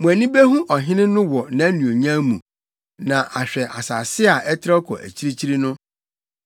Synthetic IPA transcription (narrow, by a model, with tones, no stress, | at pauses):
mũ˨æ˨nĩ˦be˦ɦũ˦ʔɔ˨ɦɪ̃˦nɪ̃˦nʊ̃˦wɔ˨nã˨˦nũ˨o˨ɲã˦mũ˨ | nã˨ʔa˨ɕᶣɛ˨ʔa˨sa˨sɪ˦a˨ʔɛ˦tʰɪ˦ɾɔ˦kʰɔ̰˨ʔæ̰˨t͡ɕʰi˦ɾi˦t͡ɕʰi˦ɾi˦nʊ̃˦